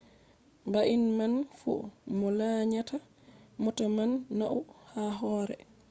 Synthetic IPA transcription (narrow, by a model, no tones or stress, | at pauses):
baʔinmanfṵmɔlaːɲata | mɔtamanːaʔuhaɦɔːɾɛ̰